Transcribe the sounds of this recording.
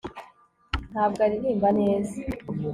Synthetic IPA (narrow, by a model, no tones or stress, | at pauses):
n̥haːb̚ɡaɾiɾiːmbane̞ːza